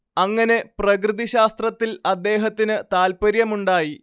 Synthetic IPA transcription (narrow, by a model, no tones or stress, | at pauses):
ɐŋːɐne̞prɐkrɨðiɕaːst̪rɐt̪ːilɐd̪ːe̞ːɦɐt̪ːinɨt̪aːlpɐɾjɐmuɳɖaːji